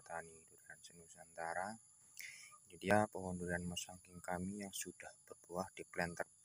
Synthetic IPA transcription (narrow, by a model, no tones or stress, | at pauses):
t̪anidudaɾansənusant̪aɾa | d͡ʒidiapəɦɔndudaanmasaŋkɪŋkamijaŋsudahb̥ərbuahd̥iplɛnt̪ər